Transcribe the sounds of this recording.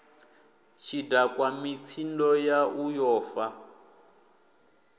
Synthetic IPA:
t͡ʃʰidakwamit͡sʰindɔjaujɔːfa

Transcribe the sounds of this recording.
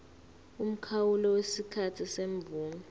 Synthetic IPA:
um̩kʰawulɔwesikʰatʰiseɱb̪vuːmɔ

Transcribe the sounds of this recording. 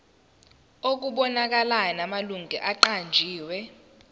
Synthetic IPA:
ok̬uɓɔnak̬alaɔnamaluŋɡʱɛʔaǃand͡ʒʱiːwɛ

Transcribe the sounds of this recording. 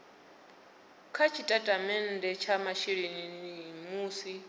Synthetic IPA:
kʰat͡ʃʰitʼatʼamɛndɛt͡ʃʰamaʃiɺininimuːsi

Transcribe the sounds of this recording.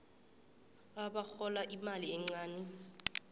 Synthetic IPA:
aɓaxɔlaʔimaliɛŋ͡ǀaːnɛ

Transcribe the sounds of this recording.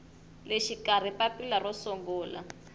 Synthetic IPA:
leʃikar̤ipapilarɔsɔŋɡɔːla̰

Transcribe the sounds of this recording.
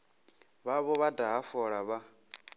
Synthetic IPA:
βaβɔβadaɦafɔɺaβa

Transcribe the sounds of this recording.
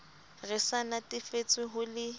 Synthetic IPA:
rɪsanatʼɪfet͡sʼwɪɦʊlɪ

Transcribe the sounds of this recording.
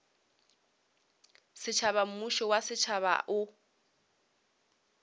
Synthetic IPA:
sɪt͡ʃʰaβam̩muʃɔwasɪt͡ʃʰaβa̰ʔʊ

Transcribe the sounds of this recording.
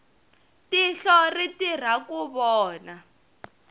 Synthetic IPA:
tiɬɔritir̤akuβɔːna

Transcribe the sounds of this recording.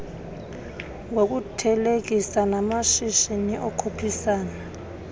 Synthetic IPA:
ŋok̬ʼutʰɛlek̬isanamaʃiʃiniʔɔkʰopʰisaːna

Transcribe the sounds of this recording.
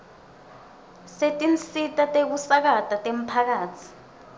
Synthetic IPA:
setʼinsitʼatʼek̬usak̬atʼatʼem̩pʰak̬aːtʰi̥

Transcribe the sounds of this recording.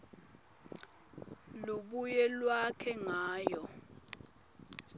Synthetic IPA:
luɓujɛlwakʰɛŋaːjɔ

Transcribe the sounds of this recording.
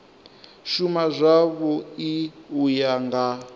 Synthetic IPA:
ʃumazʷaβɔiujaŋɡa

